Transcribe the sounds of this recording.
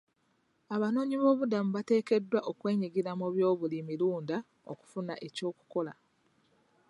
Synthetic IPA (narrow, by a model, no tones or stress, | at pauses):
aβano̞ːɲiβo̞ːβudamuβate̞ːke̞dːwaʔo̞kwe̞ːɲiɡiɾamuβjo̞ːβulimiluːnda | o̰ku̥funa̰ʔe̞co̞ːku̥ko̞la̰